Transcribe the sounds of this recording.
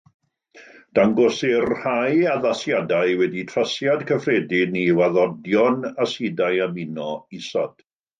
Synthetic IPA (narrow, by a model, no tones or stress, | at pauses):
d̥aŋɡɔsɪrhajaðasjadajwɛditʰrasjadkʰəfredɪniwaðɔdjɔnasidajamɪnɔisɔ̰d̥